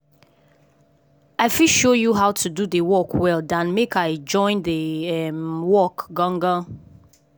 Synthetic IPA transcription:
aɪfiʃojuɦaʊtʰududəwɔkʰwɛldãnmekaɪd͡ʒɔ̃ɪ̃ndəɛmwɔkɡɔ̃ŋɡa

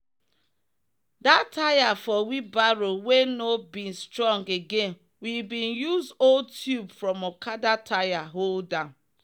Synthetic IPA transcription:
datʰajafɔwibaɹowenobĩnstɹɔ̃ŋɡeɡẽn | wibĩnjuzoltʰjubfɹɔ̃mɔkʰadatʰajaɦoldã

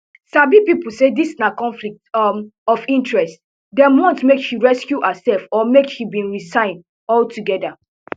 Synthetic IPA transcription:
sabipipl̩sedisnakɔ̃nflik̚tmɔfĩntɹɛst | dɛ̃mɔ̃ntmekʃiɹɛskjuʔasɛlfɔmekʃibĩnɹisãɪ̃nd | ɔltuɡɛda

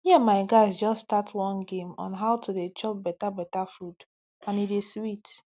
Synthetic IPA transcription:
jɛmaɪɡaɪsd͡ʒɔsːtatʰwɔ̃nɡẽmɔ̰̃nɦaʊtʰudet͡ʃɔp̚bɛtabɛtafɾud | ãnideswit

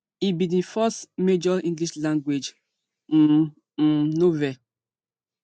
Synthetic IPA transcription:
ibidĩfɔsmed͡ʒɔĩŋɡliʃlãŋɡwed͡ʒ̩ | novɛ

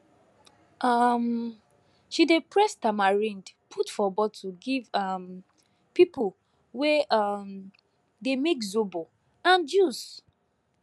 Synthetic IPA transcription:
ʔʌm | ʃidepɹɛstamaɹĩndpʰutfɔbɔd̚tuɡivʌm | pipu | wɛʔam | demekzobo | ãnd͡ʒus

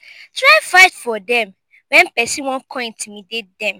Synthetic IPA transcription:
tɹaɪfaɪtfɔdɛ̃m | wɛ̃npɛsĩwɔ̃nkʰɔ̃ĩntʰumĩdedɛ̃m

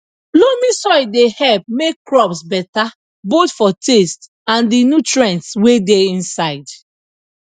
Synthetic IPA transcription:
lomĩsɔdehɛlp̚mekkɹɔpsbɛta | botfɔtʰest | ãndinutɹɛ̃ntswedeĩnsaɪd

